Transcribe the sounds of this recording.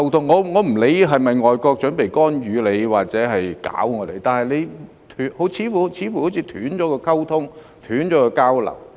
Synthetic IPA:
wt̪ʰʊ˥ŋːɔː˨˧ŋɔː˨˧m̩˨˩le˨˧jɦɐ˨jmɐ˨jŋɔː˨jkɔː˧k̚t͡ʃœ˨˥npe˨˩jkɔː˥njyː˨˧le˨˧jwaː˨˩k̚t͡sɛː˨˥ɦɐ˨jka̰ː˨˥wŋɔː˨˧t̪e˨˧jt̪aː˨nhɦɐ˨jle˨˧j | t̪ʰyː˨˥ho˨˥wt͡sʰiː˨˥fu˨˩˧t͡sʰiː˨˥fu˨˩ho˨˥wt͡sʰiː˧t̪ʰyː˨˥nt͡ʃɔː˨˥kɔː˧kʰɐ˥wt̪ʰʊ˥ŋ | t̪ʰyː˨˥nt͡ʃɔː˨˥kɔː˧kaː˥wlɐ̰˨˩w

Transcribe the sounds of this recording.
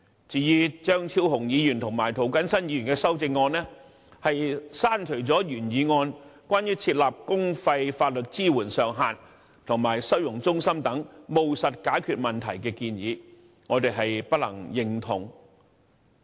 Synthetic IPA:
t͡siː˨˧jiː˧t͡ʃœː˥ŋt͡sʰiː˧˥wɦʊ˨˩ŋjiː˨˧jyː˨˩nt̪ʰʊ˨˩ŋmaː˨˩jt̪ʰo˨˩wkɐ˥nsɐ˥njiː˨˧yː˨˩nkɛː˧sɐ˥wt͡sɪ˧ŋːɔː˧nlɛː˥ | hɐ˨jsaː˥nt͡ʃʰɵ˨˩ɥt͡sɔː˨˥jyː˨˩njiː˨˧ŋɔː˧nkʷwʷaː˥njyː˥t͡sʰiː˧t̚laː˨p̚kʊ˥ŋfɐ˧jfaː˧t̚lɵ˨t̚t͡siː˥wuː˨˩nsœː˨ŋɦaː˨˩n | t̪ʰʊ˨˩ŋmaː˨˩jsɐ˥wjʊ˨˩ŋt͡sʊ˥ŋsɐ˥mt̪ɐ˨˥ŋmo˨wsɐ˨t̚kaː˨˥jkʰyː˨˧t̚mɐ˨˩nt̪ʰɐ˨˩jkɛː˧kiː˧njiː˨˧ | ŋɔː˨˧t̪e˨jɦɐ˨jpɐ˥t̚lɐ̰˨˩ŋjɪ˨ŋt̪ʰʊ˨˩ŋ

